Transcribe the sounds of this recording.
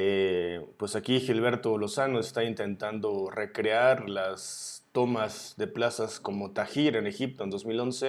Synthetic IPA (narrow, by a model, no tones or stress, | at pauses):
epwe̞sakixilβ̞e̞ɾt̪o̞lo̞sanoest̪aint̪e̞nt̪and̪o̞re̞kɾeaɾlast̪o̞mazðe̞plasasko̞mo̞t̪axiɾe̞ne̞xip̚t̪ond̪o̞zmilo̞nse̞